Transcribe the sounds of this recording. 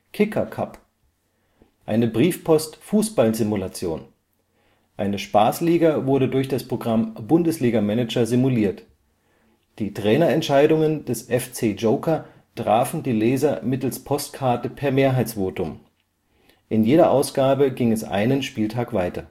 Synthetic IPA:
kʰɪkʰɐkʰa̰p | ʔaɪnəbʁiːfpʰɔstfuːsb̥alzɪmulat͡sjoːn | ʔaɪnəʃpaːsliːɡavʊɐɾədʊɐçd̥aspʁ̥oɡʁambʊndəsliːɡamɛnɛd͡ʒɐzɪmuliːɐt | d̥iːtʁ̥ɛːnɐɛntʃaɪdʊŋənd̥ɛsʔɛft͡seːd͡ʒoʊkʰɐ | tʁ̥aːfn̩diːlɛːzɐmɪtl̩spʰɔstkʰaɐtəpʰɛɐmeːɐɦaɪt͡sv̥oːtʊm | ʔɪnjeːɾɐʔaʊsɡ̥aːbəɡɪŋɛsʔa̰ɪnənʃpiːltʰaːkv̥aɪtɐ

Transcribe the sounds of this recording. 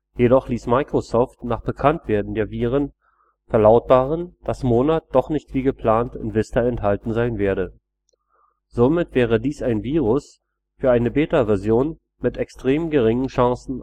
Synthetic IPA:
jedɔχliːsmaɪkʁ̥osɔːftnaːχb̥əkʰantv̥eːɐdn̩deːɐviːʁ̞ən | fɛɐlaʊt̚b̥aːʁənd̥asmoːnat̚d̥ɔχnɪçtv̥iːɡəpl̥aːntɪnvɪstɐɛnthaltn̩zaɪnveːɐɾə | z̥omɪtv̥ɛːʁ̞ədiːsaɪnviːʁʊs | fyːɐʔaɪnəbeːtavɛɐzjoːn | mɪtɛkstʁ̥eːmɡəʁɪŋənʃãŋsn̩

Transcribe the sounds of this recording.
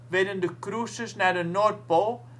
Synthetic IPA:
ʋɛdəndəkrusəsnaːdənɔrt̚polˠ

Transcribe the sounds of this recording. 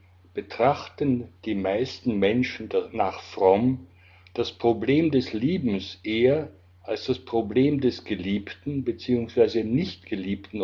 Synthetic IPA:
b̥ətʁ̥aχtənd̥iːmaɪstn̩mɛnʃn̩danaːχfʁ̥ɔm | d̥aspʁ̥obleːmdɛsliːbm̩sʔeːɐ | ʔalsd̥aspʁ̥obleːmdɛsɡ̥əliːptn̩bət͡siːʊŋsv̥aɪzənɪçtɡ̥əliːptn̩

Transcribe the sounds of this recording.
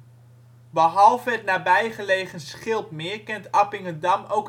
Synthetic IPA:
bəɦɑlˠvəətnaːbɛjχəlejχənsχɪlˠpmɪːɹkɛntɑpɪŋədɑmowk

